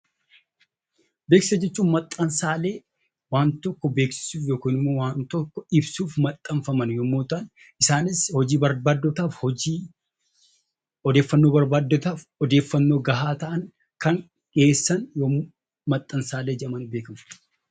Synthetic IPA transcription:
be̞ːksɪsɐd͡ʒɛt͡ʃːuːnmɐt̪ʼːɐnsaːle̞ː | waːnt̪ɔkːɔbe̞ːksɪ̥suːfjoːkiːnɪmːoːwaːnt̪ɔkːɔɪbsuːfmɐt̪ʼːɐɱfɐmɐnjɔmːoːt̪ɐn | ɪsaːnɪshɔd͡ʒiːbɐɾbaːd̪ːɔt̪aːfhɔiː | ɔd̪eːfːɐnːoːbɐɾbaːd̪ːɔt̪aːfɔd̪e̞ːfːɐnːo̞ːɡɐɦaːt̪ɐʔɐn | kɐŋ | kʼe̞ːsːɐnjo | mɐt̪ʼːɐnsaːle̞ːd͡ʒɛʔɐmɐnʊbe̞ːkɐmɐ

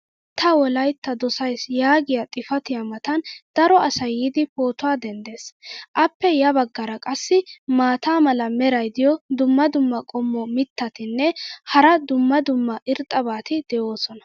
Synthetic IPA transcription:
t̪ʰɐwɔlɐjt̪ːɐd̪ɔsɐjsjaːɡɪjɐt̪ʼɪfɐt̪ɪjɐmɐt̪ɐnd̪̥ɐɾɔɐsɐjid̪ɪpo̞ːt̪ʊwaːd̪ɛnd̪e̞ːsʔɐpːɛjɐbɐɡːɐɾɐkʼɐsːɪmaːt̪aːmɐlɐmɛɾɐjd̪ɪjɔd̪ʊmːɐd̪ʊmːɐkʼɔmːɔmɪt̪ːɐt̪ɪnːɛhɐɾɐd̪ʊmːɐd̪ʊmːɐʔɪɾt̪ʼːɐbaːt̪ɪd̪̥ɛʔo̞ːsɔnɐ̥

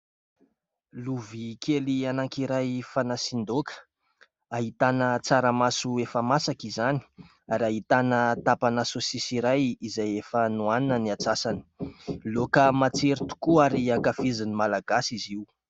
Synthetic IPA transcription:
luvikʰelianaŋkiɾajfanasind̪okʰə̥ | aɦit̪anət͡saɾəmasuefəmasakizani̥ | aɾaɦit̪anət̪apanasosisiɾajizajefənuaninəniat͡sasani̥lokəmat͡seɾit̪u̥kuaɾiakafizinimalaɡ̥asiziu

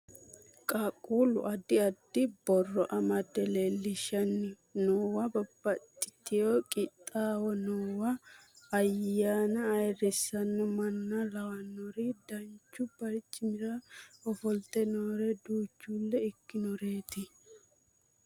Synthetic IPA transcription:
kʼakʼuːlʊ̰ʔɐd̪ːɪɐd̪ːɪbɔrːɔʔɐmɐd̪ɛlelːɪʃɐnːɪ | noːwɐbɐbːɐt̪ʼːɪ̥t̪ːɪjoːkʼɪt̪ʼːaːwɔnoːwɐː | jaːnɐːjrɪsːɐnːɔmɐnːɐlɐwɐnːɔɾɪd̪ɐnt͡ʃːʊb̥ɐɾt͡ʃʼːɪmɪɾɐɔfɔlt̪ɛnoːɾɛd̪uːt͡ʃːulːɛɪkːɪnɔɾe̞ːt̪ɪ

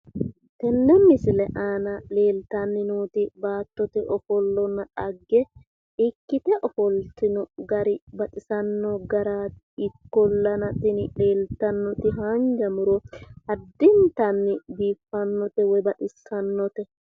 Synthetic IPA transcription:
t̪ɛnːɛmɪsɪlɛʔaːnɐleːlt̪ɐnːɪnuːt̪ɪbaːt̪ːɔt̪ɛʔɔfɔlːɔnːɐᶑɐɡːɛ | ɪkːɪt̪ɛʔɔfɔlt̪ɪnɔɡɐɾɪbɐt̪ʼɪsɐnːɔɡɐɾaː | ɪkːɔlːɐnɐt̪ɪnle̞ːlt̪ɐnːɔt̪ɪɦaːnd͡ʒɐmʊɾɔhɐd̪ːɪnt̪ɐnːɪbiːfːɐnːɔt̪ɛwɔjbɐt̪ɪsɐnːɔt̪ɛ

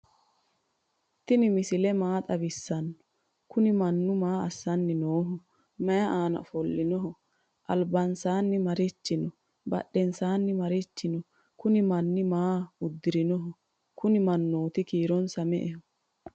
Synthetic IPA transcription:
t̪ɪnɪmɪsɪlɛmaːt̪ʼɐbɪsːɐnːɔ̥ | kʊnɪmɐnːʊmaːɐsːɐnːɪnoːɦɔ | mɐjɐʔaːnɐ̰fɔlːɪnɔɦɔ | ʔɐ̰lbɐnsaːnːɪmɐɾɪt͡ʃːɪnɔ | bɐ̰ɗɛnsaːnːɪmɐɾɪt͡ʃːɪnɔ | kʊnɪmɐnːɪmaːʊd̪ːɪɾɪnɔɦɔ | kʊnɪmɐnːoːt̪ɪkiːɾɔnsɐmɛ̰ʔɛhɔ

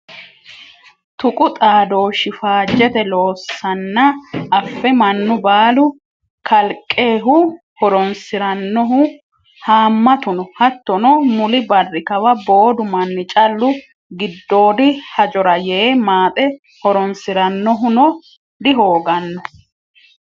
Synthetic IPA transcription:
t̪ʊkʼʊt̪ʼaːd̪o̞ːʃɪfaːd͡ʒːɛt̪ɛlo̞ːsːɐnːɐːfːɛmɐnːʊbaːlʊ | kʰɐlkʼːe̞ːɦʊ | hɔɾɔnsɪɾɐnːɔɦʊ | haːmːɐt̪ʊnɔhɐt̪ːɔnɔmʊlɪbɐrːɪkɐwɐbo̞ːd̪ʊmɐnːɪt͡ʃʼɐlːʊ | ɡɪd̪ːo̞ːd̪ɪhɐd͡ʒɔɾɐjeːmaːt̪ʼɛ | hɔɾɔnsɪɾɐnːɔɦʊnɔ | d̪ɪɦo̞ːɡɐnːɔ

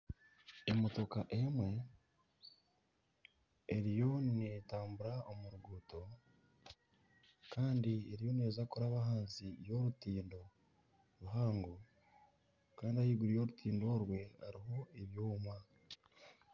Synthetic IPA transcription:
emo̞to̞kaʔemwe̞ | ɾijo̞nne̞taːmbuɾaʔomuɾuɡuːto̞ | kaːndieɾijo̞ne̞ːzakuɾaβaɦaːnsijo̞ɾutiːndo̞ | ɾuɦaːŋɡo | kaːndiajiːɡuɾijo̞ːɾutʰiːndo̞ɾwe̞a̰ɾiɦo̞eβjuːmwa

